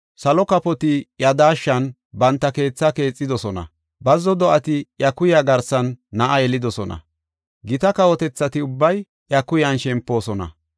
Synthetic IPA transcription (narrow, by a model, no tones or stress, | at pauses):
sɐlɔkɐpɔt̪ɪjɐd̪aːʃːɐn | bɐnt̪ːɐke̞ːt͡sːɐke̞ːt͡sʼːɪd̪ɔsɔnɐ̰ | bɐzːɔd̪ɔʔɐt̪ɪjɐkʊjaɡɐɾsɐnːɐʔɐjɛlɪd̪ɔsɔnɐ̰ | ɡɪt̪ɐkɐwɔt̪ɛt͡sːɐt̪ɪʊbːɐj | jɐkʊjɐnʃɛmpːo̞ːsɔnɐ̰